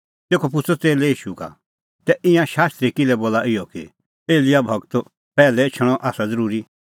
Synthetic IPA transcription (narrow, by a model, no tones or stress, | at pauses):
t̪eːkʰop̬ʊt͡sʰɔt͡seːlɛiːʃuka̰ | t̪ɛʔɪ̃jãʃaːst̪ɾikɪlɛboːlaʔɪjɔkḭ | eːlɪjabʱɐɡt̪ | pɛːlɛt͡ʃʰɐɽ̃ɔ̃ʔaːsad͡zɐɾuːɾi